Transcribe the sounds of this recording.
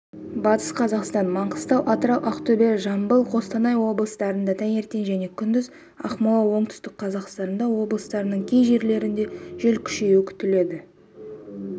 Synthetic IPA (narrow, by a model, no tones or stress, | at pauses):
bɑt̪ə̥sqʰɑzɑqst̪ɑnmɑɴqəst̪ɑwʔɑt̪əɾɑwʔɑqt̪obe̞ɾʒɑmbəlˠqʰo̞st̪ɑnɑjwo̞blˠəst̪ɑɾənd̪ɑt̪ʰæŋe̞ɾt̪e̞nʒæne̞kʲʰʏnd̪ɪz | ɑ̰χmɑlˠɑwo̞ɴt̪ʏ̥st̪ɪk̚qʰɑzɑqst̪ɑnənd̪ɑwo̞blˠəst̪ɑɾənəɴkʲʰejʒe̞ɾle̞ɾɪnd̪e̞ʒ̥ɵlkʲʰʏ̥ʃe̞ɪkʲʰʏ̥t̪ɪle̞d̪ɪ